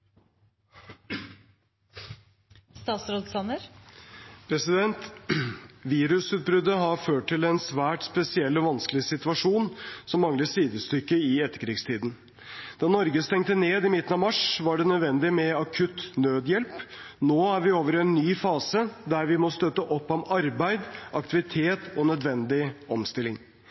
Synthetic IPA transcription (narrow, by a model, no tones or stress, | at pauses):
st̪ɑːt̪sɾoːd̪sɑnəɾ | pʰɾɛsɪd̪ɛnt̪ | ʋiːɾʉsʉːt̪̚bɾʏd̪ːəɦɑɾføːʈʈːɪlɛnsʋæːʈspɛsɪɛlːɔʋɑnskəlɪsɪt̪ʉʋɑʂuːnsɔmːɑŋləsiːd̪əst̪ʏkːəɪɛt̪ːə̥ɾkʰɾiːɡst̪ʰiːd̪n̩ | d̪̥ɑnɔɾɡəst̪ɛŋt̪əneːd̪ɪmɪt̪ən̩ɑʋmɑʂʋɑɖɛnœd̪ʋɛnd̪ɪmɛɑkʰʉt̪nøːd̪jɛlp | noːæɾʋɪoːʋəɾɛnːyːfɑːsəd̪æɾʋɪmɔst̪œt̪ːəʔɔpːɔmɑɾbæɪd̪ʔɑk̚t̪ɪʋɪt̪ʰeːt̪ɔnœd̪ʋɛnd̪ɪɔmst̪ɪlːɪŋ